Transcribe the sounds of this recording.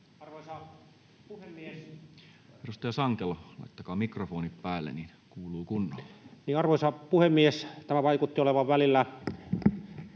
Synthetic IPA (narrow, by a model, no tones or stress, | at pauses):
ɑrʋosɑ | puhemːies | eɾust̪ɑjɑsɑŋkelɑlɑ̰it̪ːɑkɑːmikrofoːnippæːlːḛnin | kuːluːkunːɑllːniːɑrʋoˑsɑpuhemːiest̪æmæʋɑikut̪ːioleʋɑʋʋælilːæ